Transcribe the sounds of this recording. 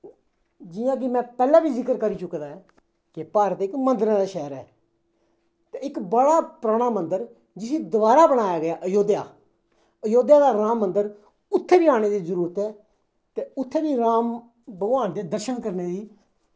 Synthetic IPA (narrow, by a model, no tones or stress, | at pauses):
d͡ʒɪjãːk̬ɪmɛ̃ːpɛːlãːbiːzɪkəɾkəɾiːt͡ʃʊkːd̪aːɛː | kɪpaːɾət̪ɪkmə̃nd̪əɾãːd̪aːʃɛːɾɛ̰ː | t̪eːɪkbəɽaːpɾaːɽ̃aːmənd̪əɾ | d͡ʒɪseːd̪ʊbaːɾaːbəɽ̃aːjaːɡəjaːʔəjoːd̪ja̰ː | əjoːd̪jaːd̪aːɾaːmːənd̪əɾ | ʊt̪ʰːeːbiːaːɽ̃eːd̪iːzəɾuːɾət̪ɛː | t̪eːʊt̪ʰːeːbiːɾaːm | bəɡãːnd̪eːd̪əɾʃənkəɾneːd̪iː